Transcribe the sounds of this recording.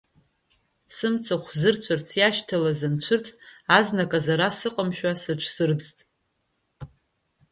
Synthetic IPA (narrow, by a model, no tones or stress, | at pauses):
sɨmt͡sʰaχʷzɨrt͡ʃʷʰɨrt͡sʰjaʃtʰalazant͡ʃʷʰɨrt͡sʼtʼaznakʼazaɾasɨqʼəmʃᶣasɨt͡ʃʷʰsɨrd͡ztʼ